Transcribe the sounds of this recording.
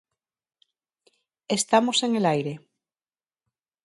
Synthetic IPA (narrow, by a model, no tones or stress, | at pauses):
est̪amoseŋelajɾe